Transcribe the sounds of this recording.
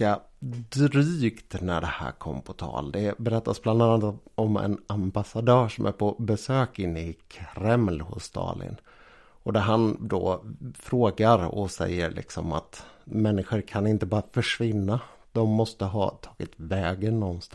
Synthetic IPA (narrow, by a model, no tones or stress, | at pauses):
a | d̪ɾyːkt̪næ̰ɖɛhæ̰ːɾkʰɔmːpʰɔt̪ʰɑ̰ːld̪ɛbɛɾɛt̪ːasbland̪ɑːnat̪ɔmɛ̰nambasad̪œːʂɔmʔæ̰ɾpʰɔbɛsøːkɪnːəɪkʰɾɛmlhʊ̰sːt̪ʰɑ̰ːlɪ̰n | ɔd̪æɾɦand̪ofɾoːɡaɾɔsɛ̰jːəɾɭʔɪ̰ksɔma̰t̪mɛnːɪɧəɾkʰanɪnt̪əbɑːɾafœʂvɪnːa | d̪̥ɔmːɔst̪əɦɑ̰ːt̪ʰɑːɡɪt̪vɛːɡənɔnst̪